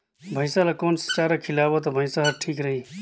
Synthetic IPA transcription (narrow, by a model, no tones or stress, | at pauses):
bʱəɪsalakoːnst͡ʃaːɾakʰɪlaːʋot̪̬ɐbʱəɪsaɦɐʈʰiːkɾəɦiː